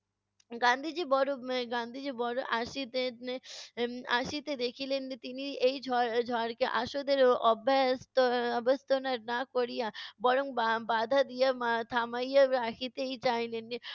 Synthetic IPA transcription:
ɡãnd̪ʱid͡ʑibɔɾoɡãnd̪ʱid͡ʑibɔɽoʔaʃit̪en | a̰ʃit̪ed̪ekʰilenːit̪iniejd͡ʒʱɔɾʱɔɾkeʔa̰ʃod̪eɾɔbʱast̪oɔbest̪onaɾnakoɾijabɔɽoŋbabad̪ʱad̪ijaat̪ʰamajjaɾakʰit̪ejt͡ɕajlenːi

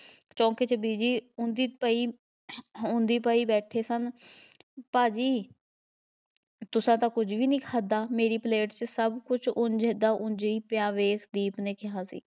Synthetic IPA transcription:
t͡ʃɔ̃ːkeːt͡ʃəbiːd͡ʒiːʊ̃nd̪iːpaːiː | ʊ̃nd̪iːpaːiːbɛːʈʰeːsən | paːd͡ʒiː | t̪ʊsãːt̪ãːkʊd͡ʒʋiːnĩːkʰaːd̪aːmeːɾiːpleːʈt͡ʃsəbkʊt͡ʃʰʊɲd͡ʒeːd̪aːʔʊ̃ɲd͡ʒeiːpɪjãːʋeːkʰd̪iːpnẽːkɪɦaːsḭː

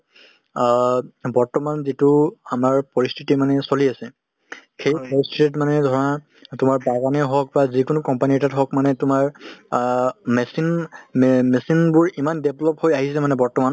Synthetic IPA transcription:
bɔɹtɔmanzitʊamaɹpɔɹistʰitimanɛsoliasɛ | xejpɔɹistʰitit̬manɛdʱɔɹɔna | tʊmaɹbaɡanɛɦɔk̚bazikʊnʊkɔmpanitatɦɔkmanɛtʊmaɹ | mɛsin | mesinbʊɹimandeblɔphojaɦisɛmanɛbɔɹtɔman

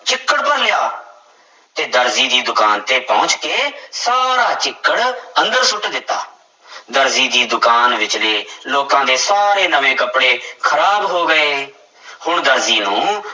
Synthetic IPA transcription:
t͡ʃɪkːəɽpəɾlɪjaː | t̪eːd̪əɾziːd̪iːd̪ʊkaːnt̪eːpɔ̃ːʊt͡ʃkeːsaːɾaːt͡ʃɪkːəɽə̃nd̪əɾsʊʈd̪ɪt̪ːaː | d̪əɾziːd̪iːd̪ʊkaːnʋɪt͡ʃleːloːkãːd̪eːsaːɾeːnəʋẽːkəpɽeːkʰəɾaːbɦoːɡəeː | hʊɳd̪əɾziːnũː

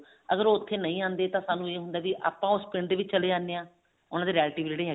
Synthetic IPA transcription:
əɡəɾoːʊt̪ʰːeːnəĩːãːnd̪eːt̪ãːsaːnũːeːɦʊnd̪aːʋiʔa̰ːpãːʊspɪɳɖd̪eːʋɪt͡ʃːt͡ʃəleːd͡ʒaːneːãː | ʊnãːd̪eːɾɪjɛːlʈiːʋid͡ʒeːɽeːɦɛ

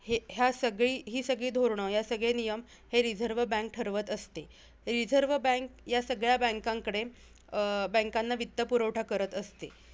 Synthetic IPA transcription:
heɦjasəɡɭiːɦiːsəɡɭiːd̪ʱoɾɳəjasəɡɭenijəm | heɾid͡zʱəɾʋəbə̃ŋk̚ʈʰəɾʋət̪əst̪e | ɾid͡zʱəɾʋəbə̃kjasəɡɭjabə̃ŋkãŋkəɽe | bə̃ŋkanːaʋit̪ːəpuɾəwʈʰakəɾət̪əst̪e

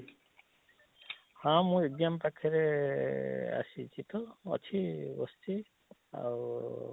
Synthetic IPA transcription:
hãmũiɡjampakʰiɾe | a̰sit͡ʃit̪ɔ̰ːt͡ʃʰibɔ̰st̪ʰi | a̰w

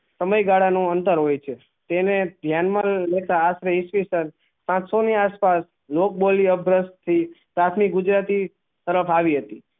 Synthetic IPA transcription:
səməjɡaɽanũənt̪əɾɦojt͡ʃʰe | t̪ened̪ʱjanmãlet̪aːsɾeisʋisən | pãt͡ʃsoniaspas | lok̚boliəbʱɾəst̪ʰipɾat̪ʰmik̚ɡʊd͡ʒɾat̪i | t̪əɾəfaʋiɦət̪i

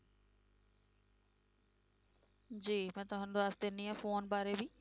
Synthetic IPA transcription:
d͡ʑiːmɛ̃ːt̪oɦãnd̪oaːst̪enĩãfoːnbaːɾebʱiː

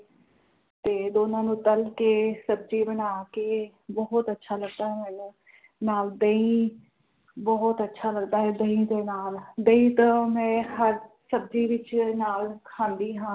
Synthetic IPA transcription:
t̪eːd̪oːnãːnũːt̪əlkeːsəb̚d͡ʒiːbənaːkeː | bɔɦʊt̪ətːʃʰaːləɡ̚d̪aːɦɛːmɛːnũː | naːld̪əĩː | bɔɦʊt̪ətːʃʰaːləɡd̪aːɦɛːd̪əĩːd̪eːnaːld̪əĩːt̪ə̃mɛ̃ːhəɾ | səbd͡ʒiːʋɪt͡ʃnaːlkʰãːnd̪iːɦãː

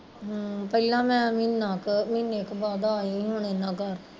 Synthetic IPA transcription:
pəilãːmɛ̃ːminãːkmineːkbaːd̪aːiɦoːɳ̃eːnãːkəɾ

